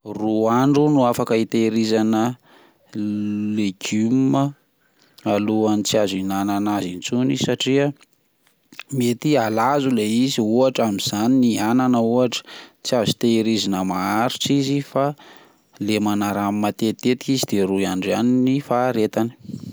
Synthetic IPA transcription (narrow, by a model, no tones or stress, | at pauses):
ruaɳɖ͡ʐunuafakəit̪eɾizanə | leɡ̥ymmə | aluanit͡siazinananazint͡suniz̥isaʈ͡ʂiə | met̪ialazuleiziuaʈ͡ʂamiz̥aniniananəuaʈ͡ʂə̥t͡siazit̪eɾizinəmaaɾiʈ͡ʂizifa | lemanaɾammat̪et̪et̪i̥kizid̪̥eɾuaɳɖ͡ʐaninifaɾet̪ani̥